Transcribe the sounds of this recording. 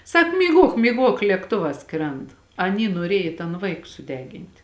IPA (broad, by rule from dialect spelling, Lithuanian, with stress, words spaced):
ˈsɐk mʲiːˈɡuɔk mʲiːˈɡuɔk lʲeːkˈtoːʋɑː ˈskrʲɛnt ɐˈnʲiː nuɔˈrʲiɛj ɪ tɐn ˈʋɐɪk sʊˈdʲæːɡʲɪnʲtʲ